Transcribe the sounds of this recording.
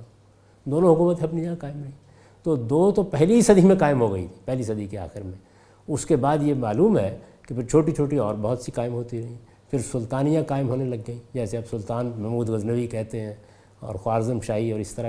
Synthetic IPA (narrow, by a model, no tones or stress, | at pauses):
d̪oːnõɦʊkuːmət̪ɦɛ̃ɐpnijãkaːɪmɾɐɦĩ | t̪od̪oːt̪opɛɦlisɐd̪ʱimẽkaːɪmɦoɡɐḭt̪ʰi̥ːpɛɦlisɐd̪ikea̰ːxɪɾmẽ | ʊskebaːd̪jemaːluːmɦɛ | kepʰɪɾt͡ʃʰoːʈit͡ʃʰoːʈiɔːɾbɐɦʊt̪sikaːɪmɦoːt̪iɾɐɦĩ | fʰɪɾsʊlt̪aːnijãkaːɪmɦoːnelɐɡːɐĩd͡ʒɛːseɐbsʊlt̪aːnmɛmuːd̪ɣɐznəʋikɛɦt̪eɦɛ̃ | ɔ̰ːɾxʊwaːɾzəmʃaːɦiɔːɾɪst̪ɐɾa